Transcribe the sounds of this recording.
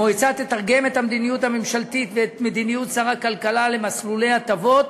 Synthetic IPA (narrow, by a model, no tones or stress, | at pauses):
mojt͡sat̪et̪aʁɡe̞me̞t̪hamd̪inijut̪hamemʃalt̪it̪veːt̪med̪inijut̪saʁakalkalalemaslule̞jat̪avo̞t̪